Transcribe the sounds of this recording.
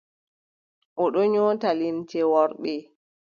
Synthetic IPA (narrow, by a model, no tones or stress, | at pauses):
ʔɔɗɔɲɔtalimtɛwɔɾɓɛ